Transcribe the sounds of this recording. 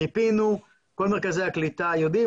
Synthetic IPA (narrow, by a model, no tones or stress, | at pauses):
ipinu | kolmeʁkazɛjaklit̪ajod̪i